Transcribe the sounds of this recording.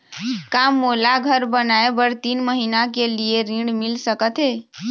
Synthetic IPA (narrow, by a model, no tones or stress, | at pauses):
kamolaɡʱəɾbənaebəɾt̪inməɦinakelieɾĩɽmilsəkət̪ɦe